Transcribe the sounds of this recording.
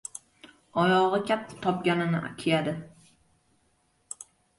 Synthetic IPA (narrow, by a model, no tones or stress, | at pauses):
ɒjɒʁɨkʲʰap̚t̪ʰɪ̥t̪ʰɒp̚ɡʲanɪnɪ̰kʲʰijad̪ɪ